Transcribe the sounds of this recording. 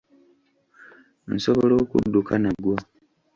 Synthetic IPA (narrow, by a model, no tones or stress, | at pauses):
nsoβolo̞ːkṵdːukʰanaɡwa